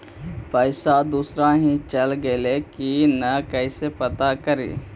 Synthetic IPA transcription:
pəɪsad̪uːsɾaɦĩt͡ʃəlɡelekinəkəɪsepət̪akəɾḭː

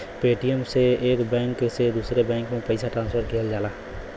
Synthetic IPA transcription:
peːʈijəmseeːkbɛ̃ŋkːesed̪uːsɾebɛ̃ːŋkmẽpəɪsaʈɾãːnspʰəɾkʰeːld͡ʒaːlaː

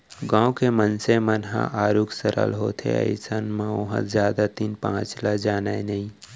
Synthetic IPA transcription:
ɡãːõkemənsemənɦã̰ʔaːɾuksəɾʔə̰lɦoːt̪ʰḛɐ̰jɪsənmãʊɦə̰̃zjaːd̪at̪iːnpã̰ːt͡ʃlad͡ʒaːnaenɐĩ

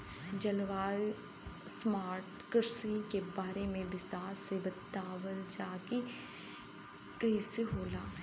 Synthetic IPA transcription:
d͡ʒɐlʋaːl | smaːɾʈkəɾsikebaːɾemẽʋɪst̪aːɾsebɐt̪aːʋəld͡ʒaːki | kɐiseɦoːlaː

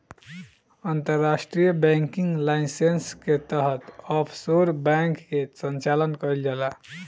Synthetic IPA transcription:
ənt̪əɾːasʈɾijəbɛ̃ŋkiŋɡlaisensket̪əɦət̪ɔpʰsoɾbɛ̃ŋkːesənt͡ʃalənkəild͡ʒəla

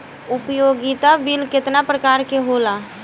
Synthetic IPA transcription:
ʊpjoːɡit̪abilkɪt̪napɾəkaːɾkeɦoːlaː

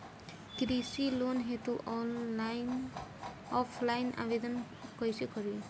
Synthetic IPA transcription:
kɾisilonɦetuʔ | ɔpʰlajnʔa̰bed̪ɔn | kojsɛkɔɹi

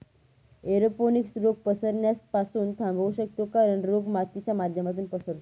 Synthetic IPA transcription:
eɾoponiksɾoɡ̚pəsəɾɳjaspasuːnt̪ʰãmbʱoʋɕək̚t̪okaɾəɳɾoɡmat̪ːit͡ɕjamad̪ʱjəmat̪uːnpəsəɾt̪

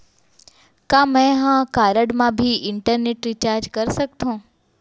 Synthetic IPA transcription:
kãmɛ̃ɦãkaːɾəɽmãbʱiɪɳʈəɾneʈɾit͡ʃaːɾd͡ʒkəɾsək̚t̪ʰõː

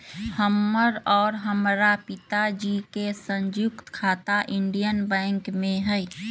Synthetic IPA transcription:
həmːəɾɔːɾɦəmɾapɪt̪ad͡ʒikesə̃ɲd͡ʒʊkt̪kʰaːt̪aʔɪ̃ɳɖijənbɛ̃ːŋkmẽɦɛj

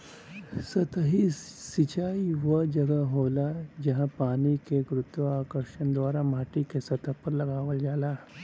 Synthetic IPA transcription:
sət̪ɦisit͡ɕaiʋəd͡ʑəɡəɦolad͡ʑəɦãpanikekɾut̪ʋəakəɾʂənd̪ʋaɾam̤aʈikesət̪apəɾləɡaʋəld͡zala

